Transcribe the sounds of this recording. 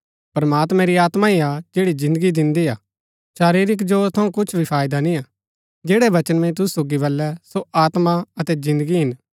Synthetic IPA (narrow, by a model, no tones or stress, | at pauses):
pɾɐmaːt̪mɛ̃ɾiaːt̪maiad͡ʒeːɽizɪ̃nd̪əɡid̪ɪ̃nd̪iaː | ʃaːɾiːɾɪk̬d͡ʒoːɾt̪ʰɐũkʊt͡ʃʰbʱipʰaːjd̪anĩaː | d͡ʒeːɽɛʋɐt͡ʃənmɛ̃t̪̬ʊsu̥soːɡiʋɐlːɛsoʔaːt̪maɐt̪ɛzɪ̃nd̪əɡiɦɪn